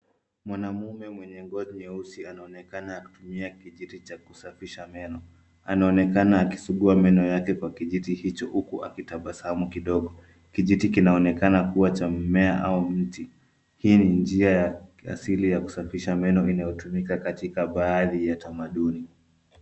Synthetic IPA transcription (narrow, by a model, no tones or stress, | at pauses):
mwanamumɛmwɛɲɛŋɡɔziɲɛusianaɔnɛkanaːku̥tumiakiʄitit͡ʃakusafiʃamɛnɔ | anaɔnɛkanaːki̥suɠuamɛnɔjakɛkwakiʄitihit͡ʃɔhukuʔa̰kitaɓasamukiɗɔɠɔ | kiʄitikinaɔnɛkanakuwat͡ʃam̩mɛaʔaum̩ti | hiːnind͡ʒiajaa̰silijaku̥safiʃamɛnɔinajɔtumikakatikaɓaːðijatamaɗuni